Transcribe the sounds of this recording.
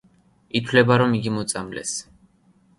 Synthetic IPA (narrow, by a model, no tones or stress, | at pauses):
it̪ʰwlɛbaɾɔmiɡimɔt̪sʼamlɛ̰s